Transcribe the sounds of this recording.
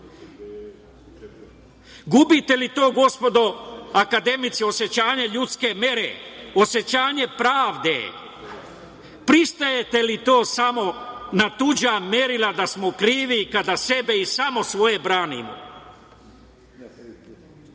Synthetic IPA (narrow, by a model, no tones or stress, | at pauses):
ɡubit̪e̞lit̪o̞ːɡo̞spo̞d̪o̞akad̪e̞mit̪sio̞sje̞t͡ɕaːɲe̞ʎut̪skemje̞ɾḛo̞sje̞t͡ɕaːɲe̞pɾaːʋd̪ḛ | pɾist̪aje̞t̪e̞lit̪o̞ːsamo̞nat̪ud͡ʑamje̞ɾilad̪asmokɾiːʋikad̪ase̞beisamo̞sʋo̞je̞bɾaːnḭmo̰